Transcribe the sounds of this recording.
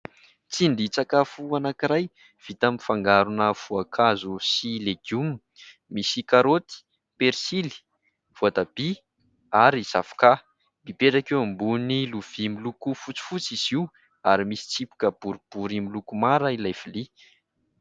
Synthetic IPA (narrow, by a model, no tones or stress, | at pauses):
t͡siɳɖ͡ʐit͡sakafuanakiɾaj | v̥it̪amifaŋɡaɾunəv̥uakʰazusileɡum | misikaɾot̪i̥ | peɾsili̥ | v̥oat̪ab̥i | aɾizafka | mipeʈ͡ʂakeambuniluv̥imilukufut͡si̥fut͡siz̥iw | aɾimisi̥t͡sipi̥kəb̥uɾib̥uɾimilukumaɾailajv̥ili